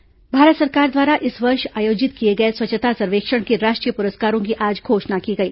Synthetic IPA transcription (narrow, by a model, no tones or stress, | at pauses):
bʱaːɾət̪sɐɾkaːɾd̪ʋaːɾaʔɪsʋɐɾʃaːjoːd͡ʒɪt̪kieɡɐeswɐt͡ʃət̪ʰasɐɾʋeːkʃəɽ̃keɾaːʃʈɾijəpʊɾəskaːɾõkiʔaːd͡ʒɡʱoːʃnakiɡɐiː